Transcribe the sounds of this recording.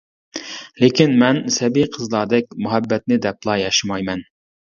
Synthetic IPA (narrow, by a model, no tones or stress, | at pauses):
lekʲinmɛnsɛbijqʰəzlˠɑɾd̪ɛkʲmuɦɛbːɛt̪̚nɪd̪ɛp̚lˠɑjɑʃɪmɑjmɛn